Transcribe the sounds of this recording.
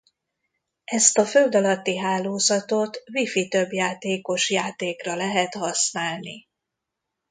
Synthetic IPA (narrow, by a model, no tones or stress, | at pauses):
ɛst̪ɒfø̞ld̪ɒlɒt̪ːiɦaːloːzɒt̪o̞t̪vifit̪ø̞bjaːt̪eːko̞ʃjaːt̪eːkrɒlɛɦɛt̪hɒsnaːlnḭ